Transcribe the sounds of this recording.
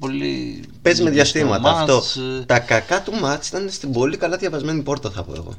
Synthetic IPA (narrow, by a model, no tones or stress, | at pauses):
polḭ | pe̞zme̞ðʝɐst̪imɐt̪ɐft̪o̞t̪ɐkɐkɐt̪umɐt̪si̥t̪ɐnest̪ibo̞likɐlɐðʝɐvɐzme̞nipo̞ɾt̪ɐθɐ̰po̰ḛɣo̞̰